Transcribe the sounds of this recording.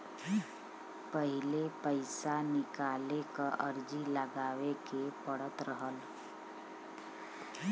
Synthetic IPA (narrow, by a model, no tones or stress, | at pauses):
pəɦilepəjsanɪkalekəʔəɾd͡ʒiləɡaʋekepəɽ̤ət̪ɾəɦəl